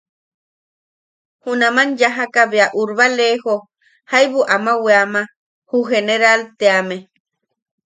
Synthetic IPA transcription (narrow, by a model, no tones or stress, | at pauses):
hunamanjaɦakaβeaʔuɾβaleho | hajβuʔamaweama | huɦeneɾalt̪eame